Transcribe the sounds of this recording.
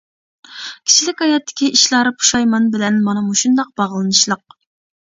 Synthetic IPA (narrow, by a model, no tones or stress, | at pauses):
kʲʰi̥t͡ʃʰilɪkʲhɑjɑt̪ʰːɪ̥kʲiʔiʃlˠɑɾɨpʰu̥ʃɑjmɑnbɪlɛnmɑnɑmuʃund̪ɑq̚bɑʁlˠɨnɨʃlˠəq̚